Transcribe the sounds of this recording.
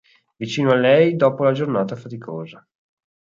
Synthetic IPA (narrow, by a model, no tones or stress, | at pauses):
vit͡ʃiːnoalːɛjd̪ɔːpolad͡ʒornaːt̪afat̪ikʰoːza